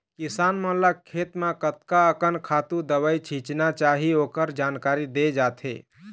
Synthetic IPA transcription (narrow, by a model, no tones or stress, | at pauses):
kɪsaːnmə̃lakʰːeːt̪mãkət̪kaəkənkʰaːt̪ũd̪əbəit͡ʃʰĩt͡ʃnat͡ʃaːɦioːkəɾd͡ʒaːnkaːɾid̪ed͡ʒaːt̪ʰḛː